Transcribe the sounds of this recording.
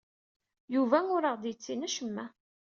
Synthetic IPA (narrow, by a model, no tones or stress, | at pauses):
juvæŋʊɾəʁd̪jət͡sːinæʃəmːæ